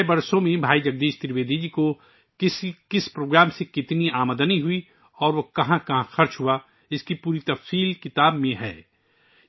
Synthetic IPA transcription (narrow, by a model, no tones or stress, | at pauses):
bɐɾsomẽbʱaːid͡ʒɐɡ̚d̪eːʃt̪ɪɾʋeːd̪id͡ʒiko | ɪskɪspɾoːɡɾaːmsekɪt̪niaːməd̪əniɦʊi | ɔːɾʋokɐɦãkɐɦãxɐɾt͡ʃɦua | ɪskipuːɾit̪ɐfsiːlkɪt̪aːbmẽɦɛ̰ː